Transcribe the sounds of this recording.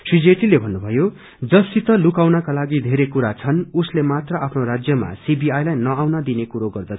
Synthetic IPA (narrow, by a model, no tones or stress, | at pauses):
sid͡zeʈilebʱʌnːubʱʌjo | d͡zʌsit̪ʌlukawnʌkalaɡid̪ʱeɾekuɾat͡sʰʌnuslemat̪rʌapʰnoɾad͡zjʌma̰sibiajlajnʌawnʌd̪inekuɾoɡʌrd̪ʌ